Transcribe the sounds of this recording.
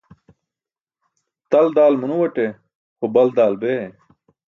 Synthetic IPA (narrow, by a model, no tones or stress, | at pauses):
t̪ɐld̪aːlmunuwɐʈe | xobɐld̪aːlbe